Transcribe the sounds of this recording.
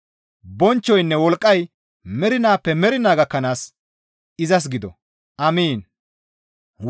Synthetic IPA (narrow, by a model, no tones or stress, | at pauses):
bɔnt͡ʃːɔjnːɛwɔlkʼːɐj | mɛɾɪnaːpːɛmɛɾɪnaːɡɐkːɐnaːs | ɪzɐs̬ɡɪd̪ɔ | ʔɐmiːn